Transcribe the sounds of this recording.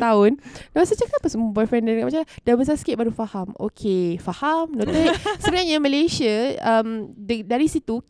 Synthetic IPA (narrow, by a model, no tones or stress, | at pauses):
t̪aʊndamasət͡ʃakənapasəmbɔjfɾɛndanəkaʔmat͡ʃalad̥abəs̬asi̥kɪt̪̚baɾufahamo̰kʰefahamnot̪əsəbənaɲamə̃lesiaəmddaɾisit̪u